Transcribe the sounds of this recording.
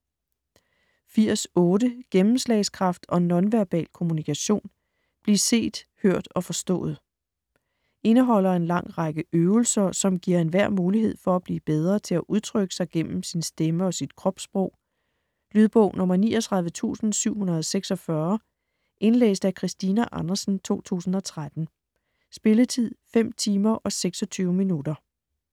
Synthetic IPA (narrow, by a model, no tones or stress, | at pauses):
fiɐ̰sɔ̽ːɾəɡ̥emm̩slɛɪskʰʁɑ̈fd̥ɒ̽nɒ̽nʋæɐb̥ɛ̰ːlkʰo̝munikʰæɕo̝̰ːn | b̥liɐse̝̰ːd̥høɐ̰d̥ɒ̽fɒ̽sd̥ɔ̰̽ːð̞̩ˠ | ʔe̝nəɦɒ̽l̰ɐe̝nlɑ̈ŋ̰ʁɑɡ̥əøːʊl̩sɐsɒ̽mɡ̥iɐ̰e̝nʋæɐ̰muːliɦe̝ð̞̰ˠfɒ̽æb̥lḭːb̥eð̞ˠʁɐt͡sʰe̝læʔuð̞ˠt͡sʰʁœɡ̥ə̥sɑ̈ɪɡ̥en̰m̩sinsd̥eməɒ̽sid̥kʰʁɒ̽b̥sb̥ʁɔʊ̰ | lyːð̞ˠb̥ɔ̰ʊ̰nɔ̽mɐnḭːʔɒt͡sʰʁɑðˠʋət͡sʰṵːsn̩syʊ̰hunɐð̞ˠɒseɡ̥sɒ̽fɶɐ | ʔe̝nlḛːsd̥ækʰʁisd̥iːnæʔɑnɐsn̩t͡sʰo̝̰ːt͡sʰṵːsn̩ɒ̽t͡sʰʁad̥n̩ | sb̥e̝lət͡sʰið̰ˠfem̰t͡sʰiːmɐʔɒ̽seɡ̥sɒ̽t͡sʰyːʊəminud̥ɐ